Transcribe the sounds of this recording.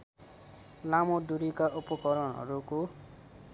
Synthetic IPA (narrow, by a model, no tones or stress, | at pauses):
lamod̪uɾikaʔupɔkʌɾʌnɦʌ̰ɾuko